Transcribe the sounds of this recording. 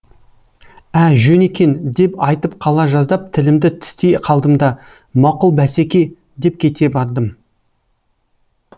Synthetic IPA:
æʒɵne̞kʲe̞nd̪e̞pɑjt̪əp̚qʰɑlˠɑʒɑzd̪ɑp̚t̪ʰɪlɪmd̪ɪt̪ʰɪ̥st̪e̞jqʰɑlˠd̪əmd̪ɑ | mɑqʊlˠbæsekʲe̞ | d̪e̞p̚kʲʰe̞t̪e̞bɑɾd̪əm

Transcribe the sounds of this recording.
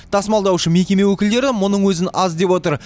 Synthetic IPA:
t̪ʰɑsmɑlˠd̪ɑwʃəme̞kʲe̞me̞wɵkʲɪld̪e̞ɾɪmʊnəɴwɵzɪnɑzd̪e̞pwo̞t̪əɾ

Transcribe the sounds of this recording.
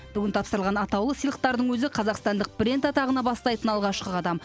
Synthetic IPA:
b̥ʏɡʲɪnt̪ʰɑpsəɾlʁɑnɑt̪ɑwlˠəsijlˠəq̚t̪ɑɾd̪əɴwɵzɪqʰɑzɑqst̪ɑnd̪əq̚bɾʲe̞nt̪ɑt̪ɑʁənɑbɑst̪ɑjt̪ənɑlˠʁɑʃqəɑd̪ɑm

